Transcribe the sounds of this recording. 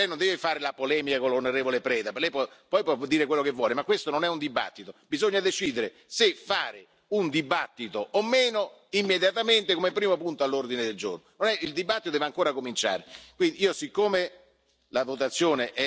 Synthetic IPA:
ɛjnond̪ɛːvefaːɾelapolɛːmikakolonoɾeːvolepɾɛːd̪aplɛjpɔpɔjpwɔd̪ːiːɾekwelːokevːwɔːlemakːwest̪ononɛund̪iba̰t̪ːit̪obizoɲːad̪et͡ʃiːd̪eɾe | sefːaːɾe | und̪ibat̪ːit̪oʔːmːeːno | imːed̪jat̪ament̪ekomepːɾiːmopunt̪oalːord̪ined̪eld͡ʒo̰rnononɛild̪ibat̪ːit̪od̪ɛveaŋkoːɾakomint͡ʃa̰ːɾekwind̪iiːosikːome | lavot̪̬at̪sːjoːneʔɛ

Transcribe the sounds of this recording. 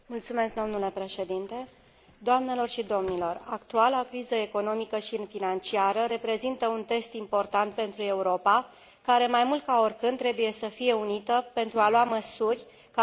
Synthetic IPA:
mult̪sume̞skd̪o̞mnule̞pɾe̞ʃe̞d̪int̪e̞ | d̪oamne̞lo̞rʃid̪o̞mnilo̞rakt̪ualakɾizəe̞ko̞no̞mikəʃinfinant͡ʃiaɾəɾe̞pɾe̞zint̪əunt̪e̞st̪impo̞rt̪ant̪̚pe̞nt̪ɾue̞uɾo̞pa | kaɾe̞majmult̪̚kao̞rʲkɨnd̪ːɾe̞buje̞səfije̞unit̪əpe̞nt̪ɾualuaməsurʲ | k

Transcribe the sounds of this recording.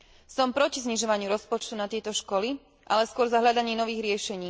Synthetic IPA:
sɔmpɾɔcizɲiʒɔʋaɲɪuɾɔspɔt͡ʃt̪unat̪ɪɛt̪ɔʃkɔli | ʔalɛskʊɔɾzaɦʎad̪aɲiːnɔʋiːɣɾɪɛʃɛɲiː

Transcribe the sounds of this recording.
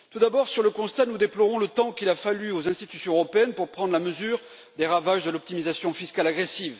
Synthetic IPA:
t̪ud̪abɔʁsyʁləkɔ̃st̪anud̪eplɔʁɔ̃lət̪ɑ̃kilafalyozɛ̃st̪it̪ysjɔ̃əʁɔpeɛnpuʁpχɑ̃d̪ʁlaməzyːʁ | d̪eʁavaʒd̪əlɔp̚t̪imizasjɔ̃fiskalaɡʁesiv

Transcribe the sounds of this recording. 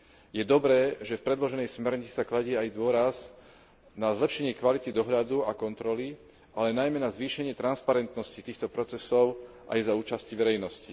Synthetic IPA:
jɛd̪ɔbɾɛːʒɛfpɾɛd̪lɔʒɛnɛjsmɛɾɲit͡si̥saklaɟiːajd̪ʊɔɾaz | nazlɛpʃɛɲɪɛkʋalit̪id̪ɔɦʎad̪uakɔnt̪ɾɔli | alɛnajmɛnazʋiːʃɛɲɪɛt̪ɾanspaɾɛnt̪nɔscit̪iːxt̪ɔpɾɔt͡sɛsɔʊ | ʔa̰jzauːt͡ʃasciʋɛɾɛjnɔsci

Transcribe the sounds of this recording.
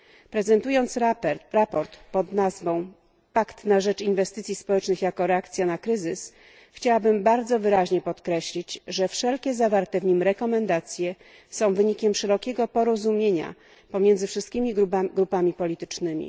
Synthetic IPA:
pɾɛzɛnt̪ujɔnt̪sɾapɔɾt̪pɔd̪nazvɔ̃w̃ | pakt̪naʐɛt͡ʂinvɛst̪ɘt̪sʲispɔwɛt͡ʂnɘxjakɔɾɛakt̪sʲjanakɾɘzɘs | xt͡ɕawabɘmbaɾd̪zɔvɘɾaʑɲɛpɔt̪kɾɛɕlʲit͡ɕʐɛfʂɛlkʲɛzavaɾt̪ɛvɲimɾɛkɔmɛnd̪at̪sʲjɛ | sɔ̃w̃vɘɲikʲɛmʂɛɾɔkʲɛɡɔpɔɾɔzumʲjeɲa̰ | pɔmʲjɛnd̪zɘfʂɘst̪̚kʲimʲiɡɾupamʲipɔlʲit̪ɘ̥t͡ʂnɘmʲḭ

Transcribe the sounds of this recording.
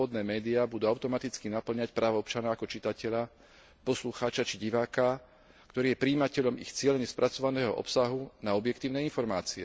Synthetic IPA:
ɔd̪nɛːmɛːd̪iabud̪uaʊt̪ɔmat̪it͡skinapl̩ɲacpɾaːʋɔɔpt͡ʃanaakɔt͡ʃit̪acɛʎa | pɔsluxaːt͡ʃat͡ʃiɟiʋaːka | kt̪ɔɾiːjɛpɾiːmacɛʎɔmḭxt͡sɪɛʎɛɲɛspɾʔat͡sɔʋanɛːɦɔ̰ʔɔ̰psaɦunaɔbjɛk̚t̪iːʊnɛinfɔɾmaːt͡siɛ

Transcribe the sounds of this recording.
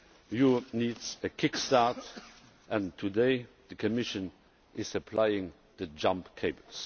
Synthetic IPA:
juniːdzəkʰɪkstaɹt | ʔɛ̃ntʰːudeɪ | ðəkʰɔmɪʃə̃n | ɪzəpʰlaɪɪ̃ŋ | ðəd͡ʒãmpkʰeɪbəs

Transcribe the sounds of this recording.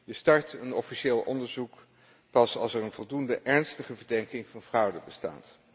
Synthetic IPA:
jəstɑɹtənɔfiʃeːlˠʔɔndəɹzuk | pɑsɑlˠsɛɹənvɔlˠdundəʔɛɹnstəχəvəɹdɛŋkɪŋvɑnvrʌwdəbəsta̰ːt

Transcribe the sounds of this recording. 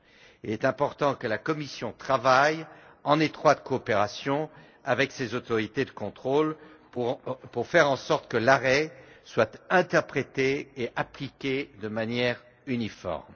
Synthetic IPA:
ilɛt̪ɛ̃pɔʁt̪ɑ̃kəlakɔmisjɔ̃t̪χavaj | ɑ̃net̪χwat̪koːpeʁasjɔ̃ | avɛksezot̪ɔʁit̪ed̪əkɔ̃t̪χol | puʁfɛʁɑ̃sɔʁt̪kəlaʁɛswat̪ɛ̃t̪ɛʁpχet̪eːʔaplikʲed̪əmanjɛʁ | ynifɔ̰ʁm

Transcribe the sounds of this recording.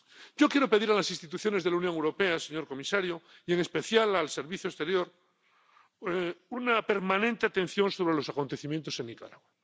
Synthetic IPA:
ɟ͡ʝo̞kjeɾo̞pe̞ðiɾalasĩnst̪it̪̬uθjo̞ne̞zðelaunjoŋewɾo̞peaseɲo̞ɾko̞misaɾjoieŋespe̞θjalalse̞ɾβiθjoest̪e̞ɾjo̞ɾ | unape̞ɾmãnẽnt̪e̞at̪ẽ̞n̟θjo̞nso̞β̞ɾe̞lo̞sako̞nt̪e̞θimjent̪o̞se̞nːika̰ɾaɣwa

